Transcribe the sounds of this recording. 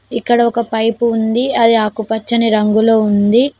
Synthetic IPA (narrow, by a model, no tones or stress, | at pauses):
ikːɐɽɐɔkɐpɐjpuːnd̪iɐd̪iaːkupɐt͡ʃːɐniɾɐŋɡuloːund̪i